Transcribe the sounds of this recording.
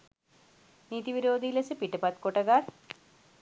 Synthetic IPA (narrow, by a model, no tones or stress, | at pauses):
niːt̪iʋiɾoːd̪ʱilɐsɨpiʈːəpat̪koʈɐɡar